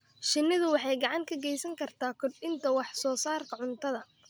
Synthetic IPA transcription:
ʃɪnːɪðʊwɑħɑjɡɑʕɑŋkʰɐɡɛjsɐŋkʰɐrt̪ʰaːkʰɔdɪnt̪ʰɐwɑħsɔːsaːrkʰɐʕʊnt̪ʰɐðɐ

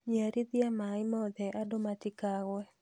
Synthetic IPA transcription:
ɲaɾid̪ɪamaɪmɔd̪ɛʔadomatɪkaɣwɛ

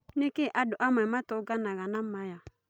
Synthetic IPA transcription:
nekeʔadʊʔamamatʊɡanaɣanamaja

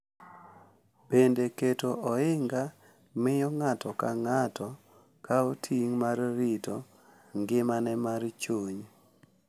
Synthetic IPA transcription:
b̥endeketoʔɔɪŋɡa | mɪjɔŋatʰɔkaŋatʰɔ | kʰaotʰiŋmarːito | ŋɡɪmanɛmaɾt͡ʃoɲ

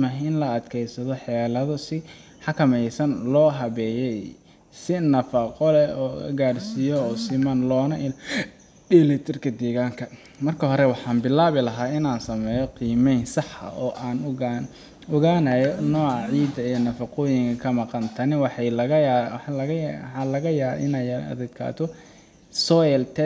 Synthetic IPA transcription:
mɐɦɪnlɐɐd̪kʰɛjsɐðɔħɛːlɐðɔsɪ | ħɑkʰɐmɛjsɐnlɔːɦɐβɛːjɛj | sɪnɐfɐqɔlɛɔ̰ːɡaːrsijɔːsɪmɐnlɔːnɐʔɪ | bilɪt̪ʰɪrkʰɐd̪ɛːɣaːŋkʰɐ | mɐrkʰɐɦɔɾɛwɑħɑːnbɪlaːβɪlɐɦaːɪnaːnsɐmɛːjɔqiːmɛjnsɑħɐ̰ʔɔːʔaːn | ɔɣaːnɐjɔnɔːʕɑʕiːd̪ɐijɔnɐfɑqɔːjɪŋkʰɐkʰɐmɑqɑnt̪ʰɐnɪwɑħɑjlɣɐɐɣɐħɑːlɐɣɐja̰ːɪnɛjɐ̰d̪ɛd̪kʰa̰ːt̪ʰɔ | sɔjɛlt̪ʰɛ

